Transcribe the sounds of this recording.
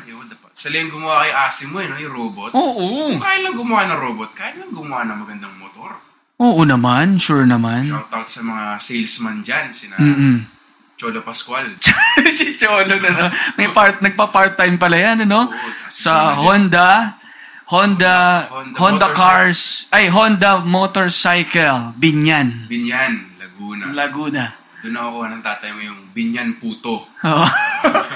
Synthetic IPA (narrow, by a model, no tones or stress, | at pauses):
ɐjod̪apɐt̪sɐliɪŋɡʊmʊwakɐjʔaːsɪmːoɐnojʊɾoːbot̪ʔoːʔokaːjɪt̪lɐŋɡʊmʊwanɐŋɾoːbot̪̚kaːhɪt̪lɐŋɡʊmʊwanɐŋmɐɡɐnd̪ɐŋmot̪oɾ | ʔoːʔonɐmanʃuɹnɐmant̪ɐot̪̚sɐmɐŋasɛjlsmɐnd͡ʒansɪnam̩ː | t͡ʃoːlopɐskwalt͡ʃsɪt͡ʃoːlonɐnomɐjpaɹt̪̚nɐɡ̚papaɹt̪ːajmpɐlɐjanɐno̞sɐhond̪ɐ | hond̪ɐd̪hond̪ɐkaɹsʔajɦond̪ɐmoːt̪oɹsajkɛlbɪɲjanbɪɲanlɐɡuːnɐlɐɡuːnɐ | d̪ʊnɐkokoɐnɐŋt̪aːt̪ɐjmojʊŋbɪɲanpuːt̪oʔoːʔo